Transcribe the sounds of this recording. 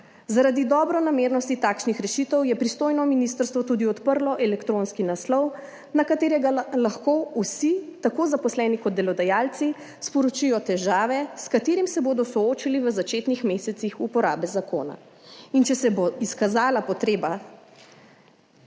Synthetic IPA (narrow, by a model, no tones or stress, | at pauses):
zaɾad̪id̪ɔːbɾɔnameːɾnɔst̪it̪aːkʃnixɾɛʃit̪əwjɛpɾist̪oːjnɔminist̪əɾst̪ʋɔt̪uːd̪iɔt̪pəɾlɔʔɛlɛkt̪ɾonskinaslɔw | nakat̪eːɾɛɡalaxkousit̪akoːzapɔslɛːnikɔd̪d̪ɛlɔd̪ajaːlt̪si | spɔɾɔt͡ʃijɔt̪ɛʒaːʋɛskat̪eːɾimsɛboːd̪ɔsɔoːt͡ʃiliʋəzat͡ʃeːt̪nixmeːsɛt̪sixupɔɾa̰ːbɛzako̰ːna̰ | int͡ʃɛsɛboiskazaːlapɔt̪ɾeːba